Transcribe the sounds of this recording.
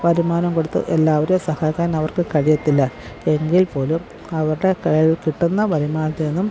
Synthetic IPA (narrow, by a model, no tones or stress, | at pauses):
ʋɐɾimaːnɐmkoɽut̪ːɨ̰ʔelːaːʋɐɾjosɐhaːkːaːnɐʋɐrkɨkɐɻijɐt̪ːilːɐ | e̞ŋɡilpo̞ːlum | ɐʋɐrɽe̞kɐɻɐɻilkiʈːunːɐʋɐɾimaːnɐt̪ːeenːum